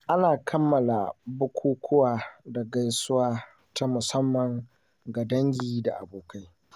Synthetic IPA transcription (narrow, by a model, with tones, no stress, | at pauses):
ʔa˦naː˨kʰɐ˦mːɐ˨la̰˨bʊ˦kʷuː˦kʷʰʊ˦waː˨da˨ɡa˦jsʊ˦waː˦ | ta˦mʊ˨sɐ˦mːɐ˨ŋ | ɡa˨dɐ˦ŋɡʲiː˨da̰˨ʔa̰˨boː˨kʰa˦j